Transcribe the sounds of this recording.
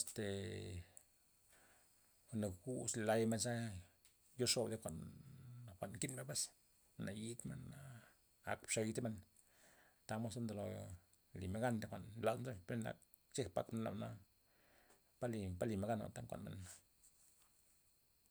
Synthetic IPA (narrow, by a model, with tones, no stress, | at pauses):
a˨st̪e˨˧ | ne˨ɡu˦sla˧˦jme˧nsa˦ | jo˦ʂo˧˨bd̪e˦kʷa˨n˨ | xʷa˨nki˦nme˧˦be˦s | na˨ji˦t̪mḛ˦na˦ | a̰˧kpʂa˧ji˧t̪e˦me˧n | t̪a˧˦mo˦sa˦nd̪o˨lo˨ | li˨me˧˦ɡa˦nd̪e˨kʷa˨nla˧˨d̪nzo˦be˦na̰˨k̚ | t͡ʃe˦kpa̰˦kme˧nla̰˨na˦ | pa˦li˨pa˦li˨me˧ɡa˦na̰˨t̪a˦kʷa̰˨nmḛ˨na˦